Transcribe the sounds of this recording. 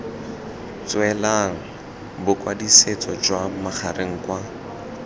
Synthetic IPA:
t͡swɛlaŋ̩ | bʊkwadiset͡sɔd͡ʒwamaχʰarʔeŋ̩kwa

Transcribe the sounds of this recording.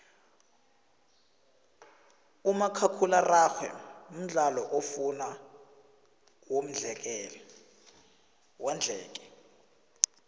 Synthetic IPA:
umakʰakʰularaxʰwɛ̰m̩ɮalɔʔofuna | wom̩d͡ɮʱɛk̬ʼɛlɛ | wand͡ɮʱɛːk̬ʼɛ̥

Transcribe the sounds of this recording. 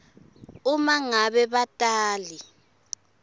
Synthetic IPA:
umaŋaβɛβatʼaːli

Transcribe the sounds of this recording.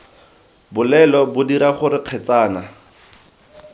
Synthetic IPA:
bʊlɛlɔbʊdiɾaχʊɾɪq͡χʰɛt͡saːna

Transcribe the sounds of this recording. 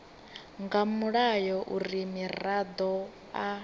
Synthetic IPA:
ŋɡamuɺajɔʔuɾimirad̪ɔ | a

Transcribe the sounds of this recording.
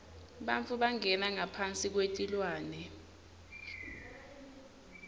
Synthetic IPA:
ɓant͡fʰʼuɓaŋɛnaŋapʰant͡sʼik̬wetʼilwaːnɛ

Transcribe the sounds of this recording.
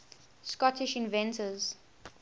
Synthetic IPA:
skɔtʰɪʃɪ̃nvɛ̃ntʰəz̥

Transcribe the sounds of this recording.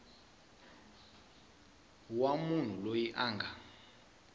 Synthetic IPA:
wamun̤ulojiʔaːŋɡʱa

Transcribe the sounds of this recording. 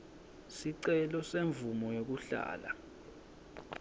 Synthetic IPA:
siǀɛlɔseɱbvumɔjok̬uɬa̰ːla

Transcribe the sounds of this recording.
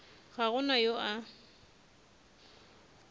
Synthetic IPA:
ɣaɣʊnajoʔa

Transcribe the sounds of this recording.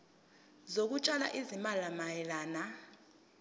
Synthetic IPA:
zok̬ʼut͡ʃʼala̰ʔizimalamajɛlaːna

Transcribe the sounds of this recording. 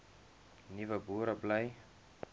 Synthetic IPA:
nivəbuɾɐblɐj

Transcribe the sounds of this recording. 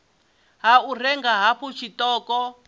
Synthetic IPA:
ɦaur̤ɛŋɡaɦaɸut͡ʃʰitɔːkɔ

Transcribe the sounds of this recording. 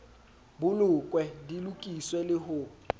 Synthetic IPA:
bʊlʊkʼwɛdilukʼiswɛlɪɦʊ

